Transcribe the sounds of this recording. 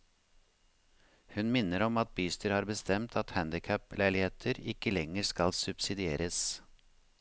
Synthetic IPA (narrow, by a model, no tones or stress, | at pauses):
hʉnmɪnːəɾɔmɑt̪̚byːst̪əɾhɑːɾbəst̪ɛmt̪ʰɑt̪hænd̪ɪkʰœplæɪlɪheːt̪ʰəɾɪkəlɛŋəɾskɑlsʉbsɪd̪ɪeːɾʔəs